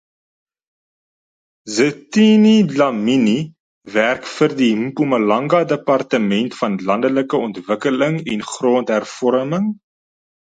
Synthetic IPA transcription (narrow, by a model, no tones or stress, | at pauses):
zətinilɐmini | værkfərdimpuməlɐŋɡɐdəpɐrtəmɛntfɐnlɐndələkəɔntvəkələŋɛnχroːntɦærfɔɾəməŋ